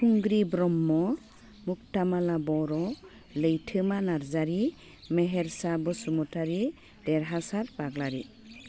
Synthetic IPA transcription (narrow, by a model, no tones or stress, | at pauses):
kuŋɡɾibɾɔmːɔ | muktamalabɔɾɔ | ləjtʰɯmanaɾzaɾi | mɛɦɛɾsabɔsumɔtaɾi | dɛɾɦasaɾbaɡlaɾi